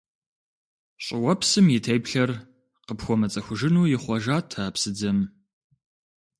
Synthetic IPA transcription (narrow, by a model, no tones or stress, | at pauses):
ɕʼɪwɐpsɨmjɪtʰɐjpɬɐr | qəpxʷɔmɐt͡sʼɐxʷʊʒɪnuːjɪχʷɐʒaːtʰaːpsɨd͡zɐm